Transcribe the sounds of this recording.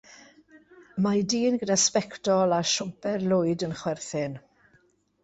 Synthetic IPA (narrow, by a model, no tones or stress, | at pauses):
majdiːnɡədaspɛktɔlˠaʃʊmpɛrlʊɨdənχwɛrθɪn